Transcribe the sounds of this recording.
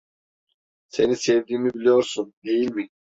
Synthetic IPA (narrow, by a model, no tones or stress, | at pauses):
se̞nisevd̪iːmibilʲijo̞ɾsund̪e̞jilʲmi